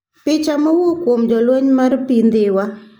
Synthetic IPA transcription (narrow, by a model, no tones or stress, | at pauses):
pɪt͡ʃamawokwomd͡ʒɔlweɲmarpind̪ɪwa